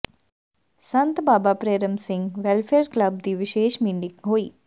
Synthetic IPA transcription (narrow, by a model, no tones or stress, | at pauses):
sɐnt̪baːbaːpɾeːɾɐmsɪŋɡʋelfʰeːɾklɐb̚d̪iːʋɪʃeːʃmiːɳɖikɦoːi